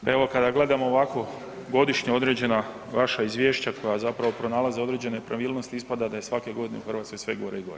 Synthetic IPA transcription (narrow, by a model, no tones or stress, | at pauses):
e̞ʋo̞kad̪aɡle̞d̪amooʋako̞ | ɡo̞d̪iʃɲeo̞d̪ɾed͡ʑe̞na | ʋaʃaizʋje̞ːʃt͡ɕakʰo̞jazapɾaʋo̞pɾo̞naːlˠazeo̞d̪ɾe̞ːd͡ʑe̞nepɾaʋiːlno̞st̪iispad̪ad̪ajesʋake̞ɡo̞d̪ineuxr̩ʋaːt̪skojsʋeɡo̞ɾeiɡo̞̰ɾe